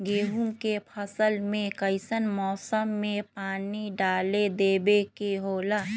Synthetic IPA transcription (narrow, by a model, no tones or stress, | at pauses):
ɡeːɦumkepʰəsəlmẽkəɪsənmɔːsəmːẽpaːniɖaːled̪eːbekeɦoːlaː